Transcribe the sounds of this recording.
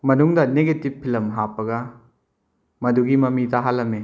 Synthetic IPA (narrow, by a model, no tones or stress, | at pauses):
mɐnuŋdɐneɡetipʰːilɐmɦapːɐɡɐ | mɐduɡimɐmidɐɦalːɐme